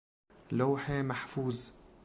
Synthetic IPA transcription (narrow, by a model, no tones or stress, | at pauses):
laːħemaħfuːz